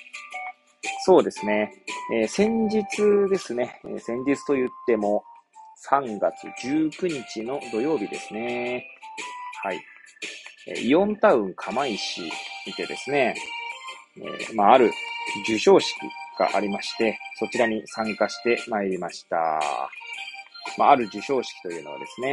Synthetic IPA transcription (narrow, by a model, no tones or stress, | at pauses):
so̞ːd̪e̞sɨne̞eːsẽ̞ɲ̟d͡ʑit͡sɨd̪e̞sɨne̞ḛːsẽ̞ɲ̟d͡ʑit͡sɨ̥t̪o̞jɯ̟t̪ːe̞mo̞sãŋɡat͡sɨ̰d͡ʑɨːkɯ̟ɲ̟it͡ɕino̞d̪o̞jo̞ːbʲid̪e̞sɨne̞ | haḭ | ḛiõ̞nt̪aɯ̟̃ŋkʰamaiɕḭmʲit̪e̞d̪e̞sɨne̞ | ḛmaːɾɯ̟d͡ʑɨɕo̞ːɕi̥kʲḭɡ̥a̰ʔaɾʲimaɕi̥t̪e̞so̞t͡ɕiɾaɲ̟isãŋkaɕi̥t̪e̞maeɾʲimaɕi̥t̪a̰ | maaɾɯ̟d͡ʑɨɕo̞ːɕi̥kʲi̥t̪o̞jɯ̟ːnβa̰d̪e̞̰sɨne